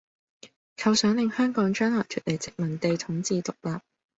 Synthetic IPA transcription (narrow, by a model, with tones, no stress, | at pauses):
kʰɐ˧wsœː˨˥ŋlɪ˨ŋhœː˥ŋkɔː˨˥ŋt͡ʃœː˥nlaː˨˩k̪ʰyː˨˩t̚le˨˩jt͡sɪ˨k̚mɐ˨˩nt̪e˨˧jt̪ʰʊ˨˥ŋt͡siː˧t̪ʊ˨k̚laː˨p̚